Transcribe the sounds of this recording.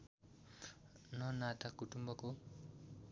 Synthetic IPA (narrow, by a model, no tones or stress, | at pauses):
nʌnat̪akuʈumbʌko